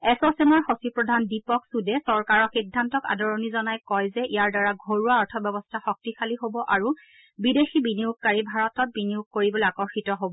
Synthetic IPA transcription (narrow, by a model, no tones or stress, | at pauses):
ɛsɔsɛmɔɹxosipɹɔdʱandipɔksudɛsɔɹkaɹɔxidʱːantɔka̰dɔɹɔnizɔnajkɔjzɛʔijaɹdaɹaɡʱoɹuaɔɹtʰɔbjɔbɔstʰaxɔk̚tixʰaliɦobɔʔaɹu | bidexibiniuɡ̚kaɹibʱaɹɔtɔt̚biniuɡ̚koɹibɔleakɔɹxitɔɦobɔ